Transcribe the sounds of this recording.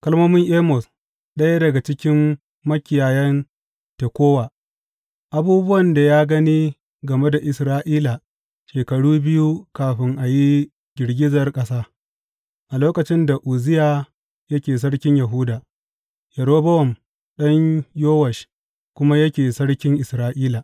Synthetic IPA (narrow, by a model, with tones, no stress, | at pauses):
kɐ˦lmoː˦mɪ˦ŋʔeː˦mɔ˨s | ɗɐ˦ja˦dɐ˨ɡa˨t͡ʃɪ˦kʲɪ˦mː | ɐ˦kʲɪ˨jaː˨jɛ˦n | te˨kʷoː˦waː˨ | ʔa˨˦buː˦bʊ˦wɐ˨nda˨jaː˦ɡɐ˦ni˦ | ɡɐ˨me˦da˨ʔɪ˨sɾaː˦ʔiː˦la˨ | ʃeː˨kɐ˨ɽuː˦bɪ˦ju˦kaː˨ɸɪ˦ŋʔa˨ji˦ | ɡʲɪ˨ɽɡʲɪ˦zɐ˨rkʼɐ˦saː˦ | ʔa˨loː˦kɐ˨t͡ʃɪ˦nda˨ʔuː˨zɪ˦jaː˨ | jɐ˦kʲeː˨s̬ɐ˦ɽkʲɪ˦ɲjɐ˨ɦʊ˦daː˨ | jɐ˨ɽoː˦bɐ˦wɔ˨m | ɗɐ˦ɲjoː˦wɐ˨ʃ | kʷʊ˦ma˦jɐ˦kʲeː˨sɐ˦ɽkʲɪ˦ŋʔɪ˨sɾaː˦ʔiː˦la˨